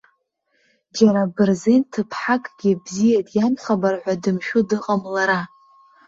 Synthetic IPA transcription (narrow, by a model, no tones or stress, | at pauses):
d͡ʒaɾabɨrzentʰɨpʰħakʼɡ̥ʲɪbzijatʼjamχabarħʷadɨmʃᶣʊdɨqʼamlaɾa